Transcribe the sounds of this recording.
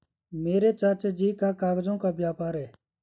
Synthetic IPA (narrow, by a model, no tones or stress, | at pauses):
meːɾet͡ʃat͡ʃd͡ʒiːkakaːɡd͡ʒõːkabjaːpaːɾɦɛː